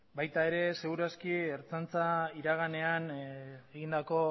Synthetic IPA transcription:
bajt̪ae̞ɾe̞se̞ɣuɾaskieɾt͡sant͡saiɾaɣ̞ane̞aneɣind̪ako̞

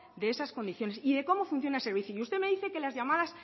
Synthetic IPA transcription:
d̪e̞esasko̞nd̪iθjo̞ne̞siðe̞ko̞mo̞funθjo̞naelse̞ɾβ̞iθjuiust̪eme̞ðiθe̞ke̞lazʝamaðas

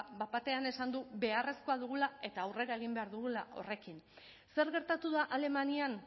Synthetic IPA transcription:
bapat̪e̞ane̞sand̪uβe̞are̞sko̞aðuɣ̞ulae̞t̪aːwre̞ɾae̞ɣ̞imbe̞aɾðuɣ̞ulaʔo̞̰re̞kin | se̞ɾɣe̞ɾt̪at̪uðaʔale̞manian

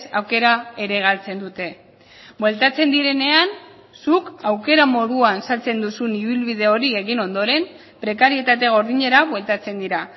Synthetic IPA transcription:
sa̰wke̞ɾae̞ɾe̞ɣ̞alt͡se̞nd̪ut̪e̞ | bwe̞lt̪at͡se̞nd̪iɾe̞ne̞an | sukawke̞ɾamo̞ðuansalt͡se̞nd̪usuniβilβið̞e̞o̞ɾieɣino̞nd̪o̞ɾe̞m | pɾe̞kaɾie̞t̪at̪e̞ɣ̞o̞ɾð̞iɲe̞ɾaβwe̞lt̪at͡se̞nd̪iɾa

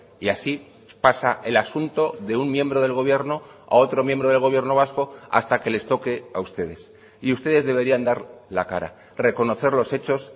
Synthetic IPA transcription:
iasi | pasaʔe̞lasunt̪o̞ðe̞uŋmje̞mbɾo̞ðe̞lɣo̞βje̞ɾno̞a̰o̞t̪ɾo̞mje̞mbɾo̞ð̞elɣ̞o̞β̞je̞ɾno̞β̞asko̞a̰st̪ake̞le̞st̪o̞ke̞aust̪e̞ð̞e̞s | iust̪e̞ðe̞zðe̞β̞e̞ɾiand̪aɾlaka̰ɾa̰ | re̞ko̞no̞θe̞ɾlo̞se̞t͡ʃo̞s

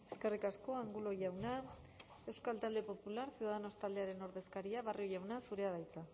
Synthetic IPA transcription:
e̞ske̞rikasko̞aŋɡulo̞ʝawna | e̞wskalt̪ald̪e̞po̞pulaɾsiuðaðeno̞st̪ald̪eaɾe̞no̞ɾðe̞skaɾiaβarʔio̞ʝawnasuɾe̞að̞ajt͡sa

